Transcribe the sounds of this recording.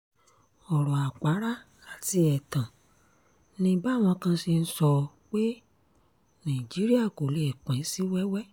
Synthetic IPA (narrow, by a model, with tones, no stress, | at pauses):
ɔ˨ɾɔ̃˨a˨k͡pa˨˦ɾa˦ | a˨ti˧ɛ˨tã˨ | nĩ˧ba˦˨w̃ɔ̃˧kã˧si˧n̩˦sɔ˧ | k͡pe˦ | nã˨i˨d͡ʒi˨˦ɾi˦a˦˨ko˨le˨k͡pɛ̃˨˦si˦wɛ˦wɛ˦